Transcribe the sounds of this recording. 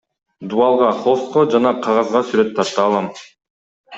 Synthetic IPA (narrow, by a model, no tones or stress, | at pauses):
d̪uɑlˠʁɑχost̪̚qod͡ʒɑnɑqʰɑʁɑzʁɑsyɾøt̪ʰːɑɾt̪ɑːlˠɑm